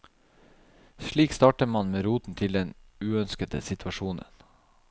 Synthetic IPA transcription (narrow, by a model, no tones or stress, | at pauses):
ʃɭiːkst̪ɑːʈəmɑnmeːɾuːt̪n̩t̪ʰɪld̪ɛnʉːœnskət̪ə̰sɪt̪ʰʋɑʃuːnə̰n